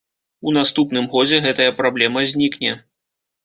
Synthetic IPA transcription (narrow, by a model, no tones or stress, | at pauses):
un̪ast̪upnɨmɣɔd͡zʲɛɣɛt̪ɐjɐpɾablʲɛmɐzʲnʲiknʲɛ